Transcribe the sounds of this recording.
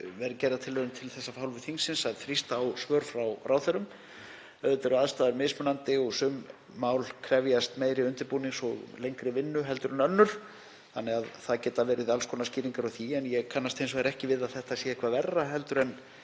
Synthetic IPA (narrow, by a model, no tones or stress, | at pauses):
vɛɾcɛrðat̪ʰɪlvœðʏmt̪ʰɪlθɛsːafawlvɪθiŋsɪnsaðθɾist̪aːwsvœːɾfɾawɾʔaːwθœɾʏm | œðt̪ɛɾʏaðst̪aːðaɾmɪːsmʏnant̪ɪɔɣsʏmː | aːwlkʰɾɛvjast̪meːjɾɪʏnt̪ɪɾpuːniŋsɔɣlejŋkɾɪvɪnːʏɦɛlt̪ʏɾʏnœnːʏɾ̥ | θanːɛɣaðθaðcɛːt̪avɛːɾɪðalskʰoːlnasciːɾiŋkaɾɔθiɛnjɛɣkʰanːast̪ʰejns̬ɔɛɾɛhcɪvɪðaðθɛht̪asɛːakʰvavɛrːaɦɛl̪t̪ʏɾɛn